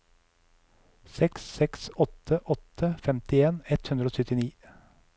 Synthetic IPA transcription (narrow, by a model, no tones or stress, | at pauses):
sɛksːɛksɔt̪ʰəʔɔt̪ʰəfɛmt̪ɪeːnɛt̪hʉnd̪ɾoːsœt̪ɪniː